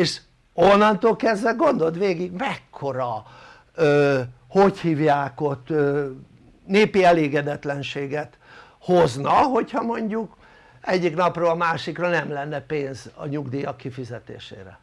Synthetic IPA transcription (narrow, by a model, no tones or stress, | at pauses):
eːʃ | onːɒnt̪oːlkɛzːɛlɡo̞nd̪o̞t̪ʋeːɡiɡmɛkʰːo̞ɾɒ | øː | ho̞chiːvjaːko̞t̪ø | neːpiɛleːɡɛd̪ɛt̪lɛnʃeːɡɛt̪ | ho̞znɒɦo̞chɒmo̞ɲɟuk | ɛɟːiknɒproːlɒmaːʃikronɛmlɛnːɛpeːnzɒ̰ɲuɡd̪ijɒkːifizɛt̪ḛːʃḛːɾɛ̰